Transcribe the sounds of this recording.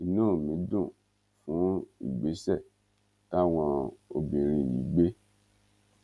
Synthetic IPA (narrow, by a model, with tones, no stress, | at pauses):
i˧˨nũː˦˨mĩ˨˦dũ˦˨ | fũ˨˦ḭ˦˨ɡ͡be˨˦sɛ˦˨ | ta˦w̃ɔ̃˧o˧bĩ˨ɾ̃ĩ˧˨jḭ̃˨˦ɡ͡be˦